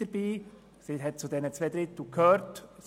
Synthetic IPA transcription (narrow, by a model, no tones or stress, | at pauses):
əɾb̥iː | siɦɛt̚t͡sudɛnət͡svedɾɪtl̩kʰhøːɾts